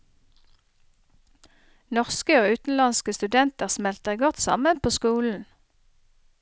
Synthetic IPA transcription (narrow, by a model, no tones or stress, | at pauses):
nɔʁskəoːʉːt̪n̩lɑnskəst̪ʉd̪ɛnt̪əʁsmɛlt̪əʁɡɔt̪sɑ̰mənpʰoːskuːln̩